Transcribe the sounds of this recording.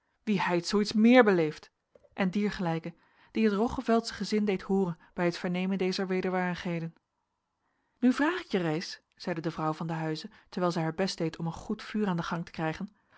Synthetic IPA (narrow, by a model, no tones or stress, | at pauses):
ʋiɛjtsowitsmɪːɹbəlejft | ʔɛndiːɹχəlɛjkə | d̥iɦətrɔχəvɛlˠtsə̥χəzɪndejthʊːrən | b̥ɛjɦətfəɹnejməndejzəɹʋejdəɹʋaːɹdəχɦejdən | nyvraːχɪkjərejs | z̥ɛjdədəvrʌwvɑndəɦœɥzətəɹʋɛːlˠzɛjɦaːɹbɛstd̥ejtɔmənχutfyːraːndəχɑŋtəkrɛjχən